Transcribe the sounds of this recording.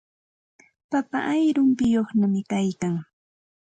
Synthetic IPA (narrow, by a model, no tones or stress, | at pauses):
papa̰ʔajɾʊmpɪjoχnamɪkajkaŋ